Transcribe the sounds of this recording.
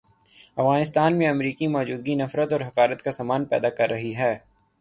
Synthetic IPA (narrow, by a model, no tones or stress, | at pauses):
ɐfɣaːnɪst̪aːnmẽɐmɾiːkimɔːd͡ʒuːd̪̚ɡinɐfɾət̪ɔːɾɦɐqaːɾət̪kasaːmaːnpɛ̰ːd̪akɐɾːɐɦiɦɛː